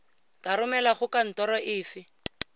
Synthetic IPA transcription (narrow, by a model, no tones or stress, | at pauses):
kaɾʊmɛlaχʊkan̩tɔɾɔʔɪːfɪ